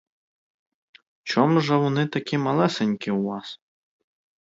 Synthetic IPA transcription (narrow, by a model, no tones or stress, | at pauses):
t͡ʃɔmuʒɛʋɔnɪt̪ɐkʲimɐlˠɛsenʲkɪwʋɑs